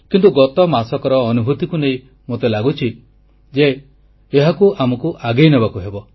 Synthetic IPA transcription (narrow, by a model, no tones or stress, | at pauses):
kint̪uɡɔt̪ɔmasɔkɔɾɔːnubʱut̪ikunej | mot̪elaɡut͡ʃʰi | d͡ʒeː | ɦakuʔamɔkuʔaɡejnebakuɦebɔ